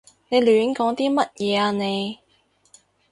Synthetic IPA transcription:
ne˨˧jlyː˨˥nkɔː˨˥ŋt̪iː˥mɐ˥t̚jɛː˨˧aː˧ne˨˧j

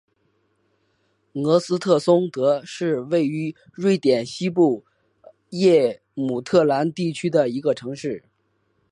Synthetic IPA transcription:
nɤ˧˥sɹ̩˥t̪ʰɤ˥˩sʊ˥ŋt̪ɤ˧˥ʂɻ̩˥˧we˥˩ɪy˧˥ | ɻwe˥˩ɪt̪jɛ˨˩nɕi˥pu˥˩ | jɛ˥˩ | mu˨˩t̪ʰɤ˥˩la˧˥nt̪i˥˩t͡ɕʰy˥d̪ə˨i˧˥ɡə˧ʈ͡ʂʰɤ˧˥ŋʂɻ̩˥˩

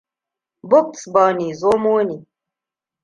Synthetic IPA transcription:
bo˦k̚sbɔ˨ni˨zo˦mo˦ni˨

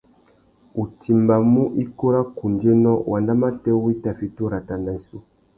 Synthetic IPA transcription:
u˨ti˨mba˨mu˦ʔi˦ko˦ɾa˦ku˨nde˦nɔ˦wʔa˨nda˦ma˦tɛ˦wi˦ta˨fi˦to˦ɾa˨ta˨na˨i˨su˦

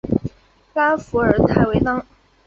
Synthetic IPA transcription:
ka˥nfu˧˥ə˞˨˩t̪ʰa˧˥ɪwe˧˥ɪt̪ɑ˥ŋ

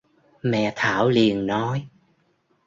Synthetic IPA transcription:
mɛ̰˧˨t̪ʰaː˧˩˦wli˨˩ənnɔ˨˦j

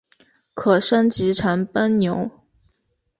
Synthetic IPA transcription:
kʰɤ˨˩ʂə˥nt͡ɕi˧˥ʈ͡ʂʰa˧˥npə˥nnjo˧˥ʊ

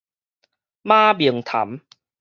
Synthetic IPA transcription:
maː˥˩bi˨˩əŋt̪ʰa̰˨˦m

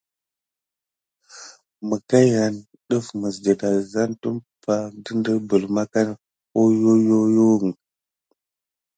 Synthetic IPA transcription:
mə˨ka˦ja˨n | ɗə˦fmə˨sdə˨da˨za˦ntu˦mpa˨də˦ndə˦bə˨lma˦ka˦n | o˦jo˦jo˦jo˦˨ŋ˨

